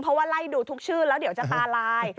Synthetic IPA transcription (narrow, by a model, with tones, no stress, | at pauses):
pʰɾɔ˦˥waː˧˥˩la˧˩jduː˧t̪ʰu˦˥k̚t͡ɕʰɯː˥˩lɛː˦˥wdi˩˦wt͡ɕa˨˩ʔt̪aː˧laː˧j